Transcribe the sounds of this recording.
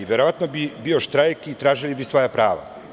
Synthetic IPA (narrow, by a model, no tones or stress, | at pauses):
iʋjeɾoʋat̪nobibioʃt̪ɾajkit̪ɾaːʒilibisʋojapɾaːʋa̰